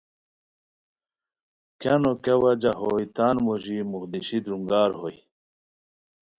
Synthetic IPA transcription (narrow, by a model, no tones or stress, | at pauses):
kanokewɐd͡ʑaɦojt̪aːnmuʑimuxd̪iɕid̪ɾuŋɡaːɾhoj